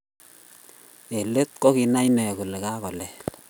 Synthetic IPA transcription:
e˨le˦t̪̚kɔ˦ki˨na˦jnɛ˨ku˨le˨ka˦kɔ˨lɛ˨

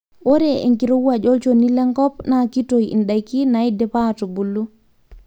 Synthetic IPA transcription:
ʔo˦ɾɛḛ˨ŋkiɾo˦wwad͡ʒɔ˦lt͡ʃoni˦lɛ˦ŋkɔ˦pnaki˦tojḭ˨nɗa˨jki˦naidɛ˨pato˨bu˨lːu˦

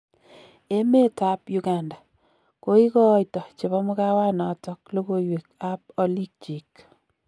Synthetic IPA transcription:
e˦me˦ta˦pjuɡa˨nda˨ | ko˦i˦kɔ˦jtɔ˨t͡ʃe˨bɔ˦mʊ˦ka˦wa˦nɔ˨tɔ˦klo˦ko˦jwe˨ka˦p̚o˦li˦k̚t͡ʃi˨k

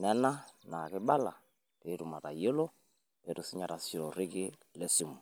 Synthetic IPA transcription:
nɛ˦na˦na˨kɪ˦ɓa˦la̰˨ | teː˨˦tu˨ma˨ta˨jɔ˦lɔ˦ | ɛ˨tu˨si˦ɲa˨ɾa˨si˨ɾɔ˨ɾɪ˦kɪ˦ | lɛ˦si˨mu˨

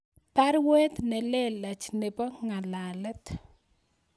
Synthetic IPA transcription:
pa˦ɾwe˦t̪nɛ˨le˦la˨t͡ʃne˨pa˦ŋa˨lalɛ˦t̪

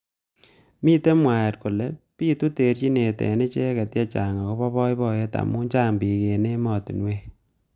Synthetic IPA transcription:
miː˦te˦mwa˨je˨t̚ku˨le˨˦piː˦tu˦te˨ɾt͡ʃi˦ne˨tḛ˨ne˦t͡ʃe˦ke˨tjɛ˦t͡ʃa˨ŋa˨ko˦pɔ˦pɔ˦jpɔ˨je˦ta̰˨mu˦ɲt͡ʃa˦mbi˨ke˨ne˦mɔ˨ti˨nwe˦

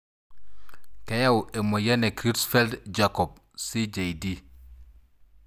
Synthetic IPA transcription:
ke˦ja˦we˨mo˨je˦ne˨kɾi˦sfɛ˦ldd͡ʒakɔ˨p̚ | si˦d͡ʒe˨jdi˦

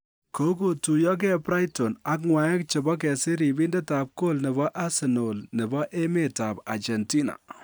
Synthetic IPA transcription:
ko˨˦ko˨tu˨jɔ˦k̬ɛ˦pɾa˦jto˨na˦k̬̚ŋwa˨ɛ˦k̚t͡ʃɪ˨bɔ˦k̬ɛ˨sɪ˦ɾi˨bi˦ndɛ˦ta˨p̚ko˦lnɪ˨βɔ˦ʔa˦sɪ˨no˨lnɪ˨bɔ˦ʔe˦me˦ta˨pa̰˨t͡ʃɛ˨nti˦na̰˨

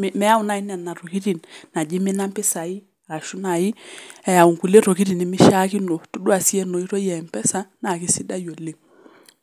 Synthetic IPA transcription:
m˨mɛ˦a˦u˨˦na˦˨i˦nɛ˨nːa˨ɾo˨ki˦ɾi˨nna˨d͡ʒi˦mɪ˦na˦mpɪ˦sa˨i˦ | a˨ka˨ʃu˦na˨ji˦ɛ˨ja˨u˨ŋku˨le˦ɾo˨ki˦ɾi˨ni˨mɪ˦ʃa˦ki˦no˨tu˦dwa˨si˦ɛ˦no˨i˦ɾo˦jɛ˨mpɛ˦sa˦na˨ki˦si˦da˦jo˨lːe˦

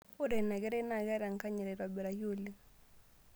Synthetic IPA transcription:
o˦ɾe˨na˨ɡɛ˦ɾe˦na˨ɣɛ˦ɾa˨ŋ˨ka˦ɲɛ˨ɾe˨ɾwa˨bɛ˨ɾa˨jo˦li˦

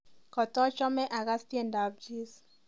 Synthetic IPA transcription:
kɔ˨tɔ˦t͡ʃɔ˦mɛ˦ʔa˨ɣa˦sti˦e˦˨nda˨b̚d͡ʒi˦s

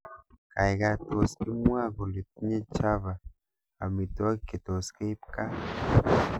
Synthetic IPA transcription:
ka˨jɣa˧t̪o˨ski˦mwa˦˨ɣo˨le˨t̪̚ɲe˦t͡ʃa˦βa˨ | a˨mi˨t̪o˦a˦ike˨t̪o˨ske˦i˦pka˦

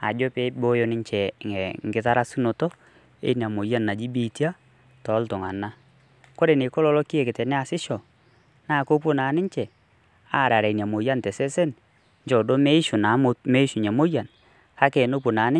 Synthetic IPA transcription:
a̰˨d͡ʒo˦pe˦bo˦jo˦nɪ˦ɲt͡ʃɛ˨ŋɛ˨ŋɡɪ˦ta˦ɾa˦su˦no˨to˦ | ḛ˨˦n˨a˨mo˨ja˦nːa˨d͡ʒi˦bi˦˨ti˦a˦ | tɔ˨˦ltʊ˨ŋa˨nːa˦ | ko˦ɾe˨nɪ˨ko˦lɔ˦lo˦ki˦e˨kɪ˨tɛ˨nɛ˦a˨sɪ˦ʃɔ˨ | na˦˨ko˦p̬u˦na˨˦nɪ˦ɲt͡ʃɛ˨ | a˦˨ɾa˨ɾa˨nja˨mo˨ja˦ntɛ˨sɛ˦sɛ˦n | ɲd͡ʒɔ˨do˦me˦ʃʊ˨na˨˦m˦me˦ʃu˨ɲa˨mo˦ja˨n | ka˦ke˨no˦pu˨na˨˦nɪ˦

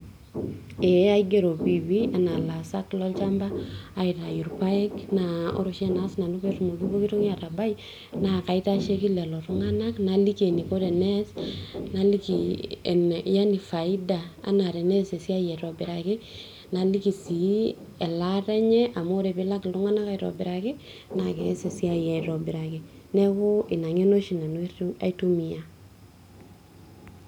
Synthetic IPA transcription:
e˨a˦iɡe˦ɾo˨pi˨wia˨na˨la˨sa˦klɔ˦lt͡ʃa˦mbaː˦˨ita˨ju˨ɾpa˦ɛ˦knaɔ̰˦ɾʊʃɛ˦na˦sna˨no˦petumo˨ɡi˦bo˦ki˦to˦ŋ˦a˨ta˨ba˦j | na˨ka˨i˦ta˦ʃe˦ki˦lɛ˨lɔ˨ɾʊ˦ŋa˦na˦kna˨li˦ke˨ni˨ko˦ɾɛ˨nɛsna˦li˦kḭ˨nja˦ni˨fa˨i˦daa̰˨na˨ɾe˨ne˦se˨si˦a˦jɛ˨ɾo˨bɪ˨ɾa˨kɪ˦ | na˨li˦ki˨si˨ | e˨la˦ɾe˦ɲɛ˦ʔa˨mo˦ɾe˨pɪ˦la˦kɪ˨lʊ˦ŋa˦na˦ka˨ɾo̰˨bɪ˨ɾa˨kɪ˦ | na˨ke˨ɛ˦se˨si˦a˨jɛ˨ɾo˨bɪ˨ɾa˨kɪ˨ | nɛ˦kʊ˦ɪ˨na˨ŋe˦no˦ʃi˨na˨na̰˨˦tu˦mi˨ja˦

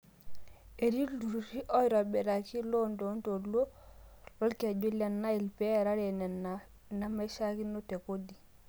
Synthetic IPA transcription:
e˨ɾi˦du˨ɾɾi˦ʔo˦jɾa˨be˨ɾa˨ki˦lo˦ndo˨˦nto˨lo˦lɔ˦lke˨d͡ʒo˦le˨nːa˦i˨lpe˦˨ɾa˦ɾe˨ne˨na˨ | na˦ma˦ʃa˦ki˦no˦te˨ko˦di˨

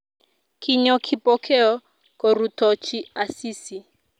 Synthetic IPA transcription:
kʰi˦ɲɔ˦kʰi˨pʼɔ˦kʰɛ˦ɔ˦ | kɔ˨ɾu˨tʰɔ˨t͡ʃʰi˦a˨siː˦si˨

